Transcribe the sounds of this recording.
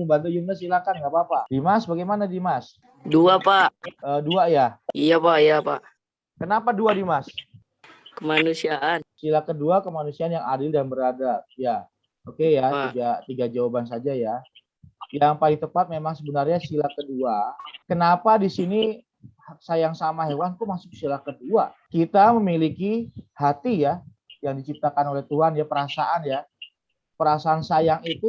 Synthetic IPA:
məmbant̪̬ud͡ʒumnasilakanɡapapadimasbaɡajmanadimas | duapaʔəːduajaijapaʔijapa̰ʔ | kənapaduadimas | kəmanusiaʔansilakəduakəmanusiaanjaŋadɪldanbəɾadat̪̚ja | okejat̪iɡat̪iɡad͡ʒawabansad͡ʒaja | jaŋpaliŋt̪əpat̪̚memaŋsəbənarɲasilakəduakənapadisini | hak̚sajaŋsamaɦewant̪umasʊk̚silahkəduakit̪aməmilikihat̪ija | jaŋdit͡ʃip̚t̪akanolɛt̪uɦanjapəɾasaʔanja | pəɾasaːnsajaŋit̪u

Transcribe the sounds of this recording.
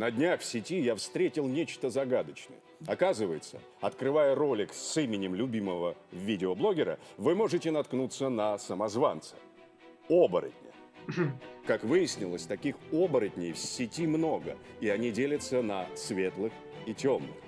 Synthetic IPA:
nədʲnʲaxfsʲɪtʲijafst̪ɾʲetʲɪlˠnʲet͡ɕt̪əzɐɡad̪ət͡ɕnə̰jəɐkazɨvəjɪt̪sə̰ | ɐt̪kɾɨvajəɾo̞lʲɪksimʲɪnʲɪmlʲʊbʲiməvəvʲidʲɪoblˠo̞ɡʲɪɾə̰vɨmo̞ʐɨtʲɪnɐt̪knut̪sənəsəmɐzva̰nt̪sɨ̥ | o̞bəɾə̰t̪̚ʲnʲə̰ | kakvɨjɪsʲnʲɪlˠəsʲt̪ɐkʲixo̞bəɾət̪ʲnʲɪjfsʲɪtʲimno̞ɡə̰iɐnʲidʲelʲət̪sənəsvʲe̞t̪lˠɨx | itʲomnɨ̰x

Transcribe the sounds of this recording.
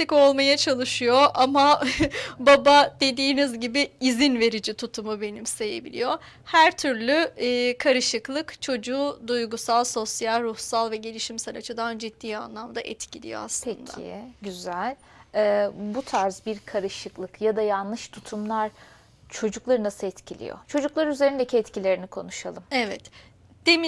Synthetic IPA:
t̪iko̞lˠmajat͡ʃʰalˠɯʃɯjoʔama | babad̪e̞d̪iːnizɟibɪːzinve̞ɾid͡ʒit̪ʰut̪ʰumube̞nimseje̞̰bḭlʲḭjo̞ | hæɾt̪ʰyɾlʲyːkʰaɾɯʃɯklˠɯkt͡ʃʰo̞d͡ʒuːd̪ujɡusalˠso̞sjalʲɾuhsalˠvɛɟe̞lʲiʃimsɛɾat͡ʃʰɯd̪and͡ʒit̪ːiːa̰nlˠamd̪aʔɛt̪cʰilʲḭjo̰a̰slˠʰend̪a̰ḭɟyzælʲ | ɛːbut̪ʰaɾzbiɾkʰaɾɯʃɯklˠɯkjad̪ajanlˠɯʃt̪ʰut̪ʰumlˠaɾ | t͡ʃʰo̞d͡ʒuklˠaɾɯnasɯɛt̪cʰilʲḭjo̰t͡ʃʰo̞d͡ʒuklˠaɾyze̞ɾind̪ecʰiɛt̪cʰilʲe̞ɾinikʰo̞̰nuʃalˠɯmevɛ̰t̪ | d̪̥emi

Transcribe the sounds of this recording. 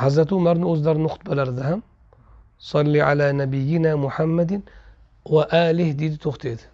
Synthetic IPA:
ħazːat̪umaɾˤnuʔʊzd̪ɑɾˤnʊxt̪̚ˤbalɑɾˤd̪aham | sˤɑlːiʕa̰laːnabɪjːɪnamʊħamːad̪ | waʔaːlɪhd̪iːd̪t̪ʊxt̪ed̪

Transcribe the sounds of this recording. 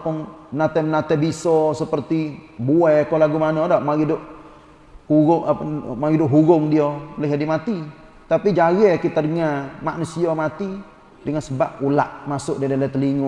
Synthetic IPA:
pʊnmənat̪ɛmənat̪ɛbisɔsəpərt̪ibuɛkolaɡumanɔdaʔmaɡidʊʔ | huɡʊŋanmaɡidʊʔɦuɡʊŋdiolɛɦadimat̪i | t̪apid͡ʒaɣɛkit̪adəŋamaʔnusiamat̪i | dəŋansəbap̚ula̰ʔmasʊʔdadalɛt̪əliŋʊ

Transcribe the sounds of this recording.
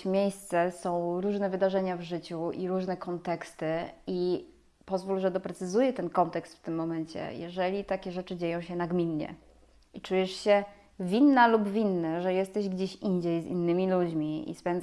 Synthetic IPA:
mʲjejst̪sɛsɔ̃w̃ɾuʐnɛvɘd̪aʐɛɲavʐɘt͡ɕuiɾuʐnɛkɔnt̪ɛkst̪ɘi | pɔzvulʐɛd̪ɔpɾɛt̪sɘzujɛt̪ɛnkɔnt̪ɛkst̪ft̪ɘmːɔmɛɲt͡ɕɛ̰jɛ̰ʐɛlʲit̪akʲɛʐɛt͡ʂɘd͡ʑejɔ̃w̃ɕɛnaɡmʲinɲɛ̰ | it͡ʂujɛʂɕɛ | vʲinːalubvʲinːaʐɛjɛst̪ɛʑɡd͡ʑeɕiɲd͡ʑejzḭnːɘmʲilud͡ʑmʲiḭspɛnd̪z

